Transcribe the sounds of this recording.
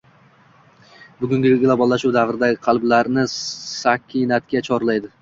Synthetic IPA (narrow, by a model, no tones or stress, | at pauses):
bʊɡʲʊŋɡʲɪɡlˠobɒlˠːaʃuwd̪avɾɪd̪aɡʲɪqʰɑlˠblaɾnɪsakʲʰːinat̪kʲat͡ʃʰɒɾlajd̪ɪ